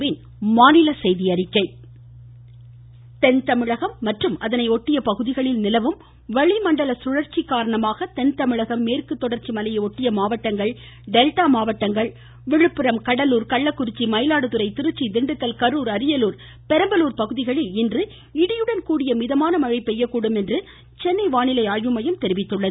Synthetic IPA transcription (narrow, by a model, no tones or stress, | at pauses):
ʋɪn | maːnɪlɐsɛjðɪɐɾɪkːɐɪ | t̪ɛnt̪ɐmɪɻɐɣɐmːɐʈrɯmɐðɐnɐɪɔʈːɪjɐpɐɣɯðɪɣɐɭɪlnɪlɐʋɯm | ʋɐɭɪmɐɳɖɐlɐsʊɻɐɾt͡ʃːikːaːɾɐɳɐmaːɣɐt̪ɛnt̪ɐmɪɻɐɣɐmːeːrkɯt̪ːɔɽɐɾt͡ʃimɐlɐjɐɔʈːɪjɐmaːʋɐʈːɐŋɡɐɭ | ɖɛlʈaːmaːʋɐʈːɐŋɡɐɭ | ʋɪɻɯpːɯɾɐmkɐɽɐluːɾkɐɭːɐkːʊɾɪt͡ʃːimɐɪlaːɽɯt̪ɯɾɐɪt̪ɪɾɯt͡ʃːid̪ɪɳɖɯt̪ːɐlkɐɾuːɾɐɾɪjɐluːɾ | pɛɾɐmbɐluːɾpɐɣɯðɪɣɐɭɪlɪndrɯ | ɪɽɪjɯɽɐnkuːɽɪjɐmɪðɐmaːnɐmɐɻɐɪpːɛjːɐkːuːɽɯmɛndrɯ | t͡ʃɛnːɐɪʋaːɳɪlɐɪaːjʋɯmɐjɯmt̪ɛɾɪʋɪt̪ːɯɭːɐðɯ